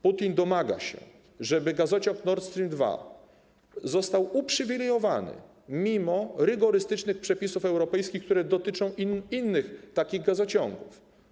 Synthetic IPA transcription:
put̪ʲind̪ɔmaɡa̰ɕɛ̰ | ʐɛbɘɡazɔt͡ɕɔ̃ŋknɔɾt̪st̪ɾʲimd̪va̰ | zɔst̪awupʂɘvʲilɛjɔvanɘ̰ | mʲimɔɾɘɡɔɾɘst̪ɘt͡ʂnɘxpʂɛpʲisufɛwɾɔpɛjskʲixkt̪uɾɛd̪ɔt̪ɘt͡ʂɔ̃w̃inːɘxt̪akʲiɣɡazɔt͡ɕɔ̃ŋɡuf

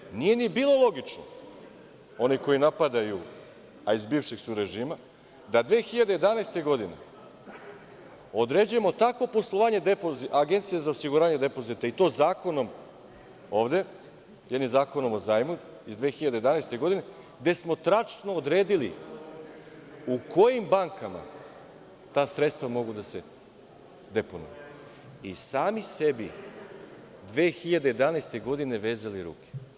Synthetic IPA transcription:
nije̞nibiːlˠo̞lˠo̞ɡit͡ʃno | o̞niko̞jinapad̪aju | aizbiːvʃeɡsuɾe̞ʒiːma | d̪ad̪ʋeːxiʎad̪ejed̪anajst̪e̞ɡo̞d̪ine̞̰ | o̞d̪ɾed͡ʑuje̞mo̞t̪akʋo̞po̞slˠo̞ʋaːɲe̞d̪epoziaɡe̞nt̪sijezaosiɡuɾaːɲed̪epo̞zit̪ait̪o̞ːzaːko̞no̞m | o̞ːʋd̪e̞ | jed̪nimzaːko̞nomo̞zaːjmu | izd̪ʋe̞ːxiʎad̪ejd̪anajst̪e̞ɡo̞d̪ine̞ | d̪e̞smo̞t̪ɾat͡ʃnoːd̪ɾe̞ːd̪ili | ukʰo̞jimbaŋkama̰ | t̪aːsɾet̪st̪ʋamo̞ɡud̪ase̞ | d̪e̞ponṵju | isaːmisebi | d̪ʋeːxiʎad̪ejed̪anest̪eɡo̞d̪ine̞ʋe̞ːzaliɾṵːke̥

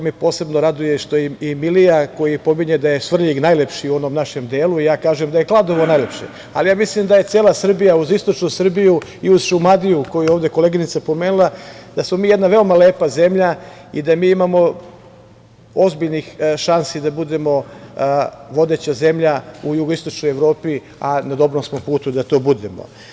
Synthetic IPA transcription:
omipo̞ːse̞bnoɾad̪ujeʃt̪oiimilijako̞jipo̞miɲed̪aje̞sʋr̩ʎiɡnajle̞pʃiuo̞no̞mnaʃe̞md̪eːluijaːkaːʒemd̪ajeklˠad̪o̞ʋo̞najle̞pʃḛ | a̰lijaːmislimd̪aje̞t̪seːlˠasr̩bijauzist̪ot͡ʃnusr̩bijuiuz̥ʃumad̪ijukojujeoʋvd̪eko̞leɡinit̪sapo̞meːnulˠad̪asmo̞miːjed̪naʋe̞omaleːpaze̞mʎa | ḭd̪amiːimamo̞ | o̞zbiʎnixʃansid̪abud̪e̞mo̞ | ʋo̞d̪e̞t͡ɕaze̞mʎaujuɡoist̪o̞t͡ʃnojeʋɾo̞ːpi | anad̪o̞bɾomsmopuːt̪ud̪at̪o̞ːbud̪e̞mo̰

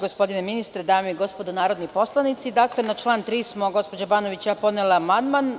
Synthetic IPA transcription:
ɡospo̞d̪ineminist̪ɾed̪aːmiiɡo̞spod̪onaːɾo̞d̪nipo̞slˠanit̪sid̪aːklenat͡ʃlˠaːnt̪ɾiːsmo̞ɡo̞spo̞d͡ʑabaːno̞ʋit͡ɕjapo̞d̪neleamand̪man

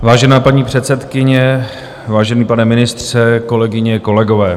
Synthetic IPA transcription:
vaːʒɛnaːpaɲiːpr̝̥ɛt̪sɛt̪kɪɲɛ | vaːʒɛniːpanɛmɪnɪst̪r̥ɛko̞lɛɡɪɲɛko̞lɛɡo̞vɛː

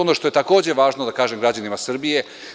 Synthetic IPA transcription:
onoʃt̪o̞je̞t̪ako̞ːd͡ʑe̞ʋaːʒnod̪akaːʒe̞mɡɾad͡ʑanimasr̩bije̞

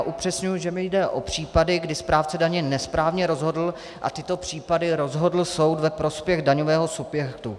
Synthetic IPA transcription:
ʔupr̝̥ɛsɲujuʒɛmɪjdɛʔo̞pr̝̥iːpadɪɡdɪspɾʔaːft͡sɛdaɲɛnɛspɾaːvɲɛɾo̞zɦo̞dl̩ | ʔa̰t̪ɪt̪o̞pr̥iːpadɪɾo̞zɦo̞dl̩so̞wt̪vɛpɾo̞spjɛɣdaɲovɛːɦo̞subjɛkt̪u

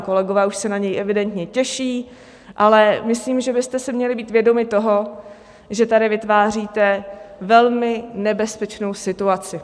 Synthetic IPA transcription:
ko̞lɛɡovɛːuʃsɛnaɲɛjʔɛvɪdɛnt̪ɲɛcɛʃiː | ʔalɛmɪsliːmʒɛbɪst̪ɛsɪmɲɛlɪbiːt̪vjɛdo̞mɪt̪o̞ɦo̞ | ʒɛt̪adɪvɪt̪vaːr̝iːt̪ɛvɛlmɪnɛbɛspɛt͡ʃno̞wsɪt̪uat͡sɪ

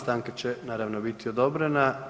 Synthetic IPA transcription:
st̪aŋkat͡ɕenaːɾaʋnobit̪ʰio̞d̪o̞bɾena

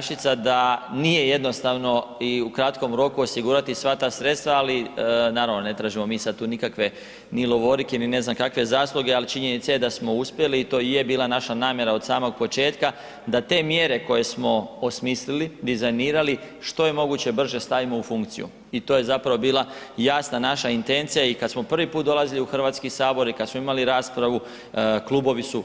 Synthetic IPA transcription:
ʃit̪sad̪anije̞je̞d̪no̞st̪aʋno̞iukɾat̪ko̞mɾo̞kuosiɡuɾat̪isʋat̪aːsɾe̞t̪st̪ʋaalinaːɾaʋnone̞t̪ɾaːʒimo̞miːsad̪̚t̪uːnikakʋe̞ | nilo̞ʋo̞ɾikeiline̞znamkakʋe̞zaːslˠuɡealit͡ʃiɲe̞nit̪sajed̪asmo̞uspje̞liːt̪oːije̞biːlˠanaʃanaːmje̞ɾaod̪saːmo̞ɡ̚po̞t͡ʃe̞ːt̪ka | d̪at̪e̞mje̞ɾe̞ko̞je̞smo̞osmislilid̪izajniːɾali | ʃt̪o̞je̞mo̞ɡut͡ɕe̞br̩ʒe̞st̪aʋimo̞ufuŋkt̪sḭjṵ | it̪o̞ːje̞zapɾaʋo̞biːlˠajaːsnanaʃaint̪e̞nt̪sijaikad̪smo̞pr̩ʋipuːt̪̚d̪o̞lˠaziliuxr̩ʋaːt̪skisaːbo̞ɾikad̪smoimaliɾaːspɾaʋu | klˠuːbo̞ʋisu

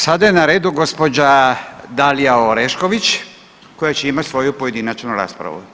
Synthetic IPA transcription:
sad̪ajenaɾe̞ːd̪uɡo̞spod͡ʑad̪alijaoɾeʃko̞ʋit͡ɕ | ko̞jat͡ɕeimat̪ʲsʋo̞jupo̞je̞d̪inat͡ʃnuɾa̰ːspɾa̰ʋṵ

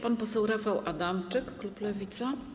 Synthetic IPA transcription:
panpɔsɛwɾafawʔad̪amt͡ʂɘkːluplɛvʲit̪sa

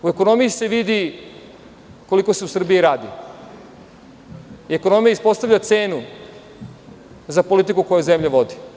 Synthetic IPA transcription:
ue̞ko̞no̞mijise̞ʋid̪i | koliko̞se̞usr̩bijiɾaːd̪i | ie̞kono̞mijaispo̞st̪aʋʎat̪se̞ːnu | zapo̞lit̪̬ikuko̞juzemʎaʋo̞d̪i̥

